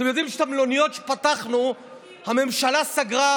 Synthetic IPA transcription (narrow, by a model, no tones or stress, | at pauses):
temjo̞d̪imʃe̥t̪amlo̞nijo̞t̪ʃe̥pat̪aχnu | hame̞mʃalasaɡʁa